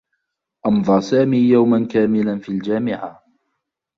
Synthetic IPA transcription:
ʔɑnðˤɑɾˤsaːmiːjawmankaːmɪlanfiːld͡ʒaːmɪʕa

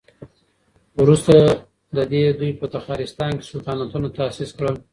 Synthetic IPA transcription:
wɾust̪a | d̪əd̪ed̪ujpət̪axɑɾɪst̪ɑnke̥sukɑnat̪unot̪asiskɽəl

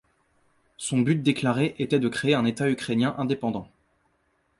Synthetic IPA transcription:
sɔ̃byt̪̚d̪eklaʁeʔet̪ɛd̪əkχeːɛ̃net̪aykχenjɛ̃ʔɛ̃d̪epɑ̃d̪ɑ̃

